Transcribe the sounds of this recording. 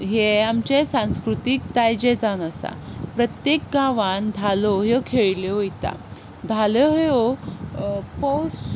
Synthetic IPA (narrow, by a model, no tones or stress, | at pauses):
ɦeamt͡ɕesãw̃skɾut̪ik̚t̪ajd͡ʑed͡zanəsa̰pɾət̪jek̚ɡaʋand̪ʱalɔɦjɔkʰeɭlɔoit̪a̰ | d̪ʱalɔɦjo | pɔwt͡s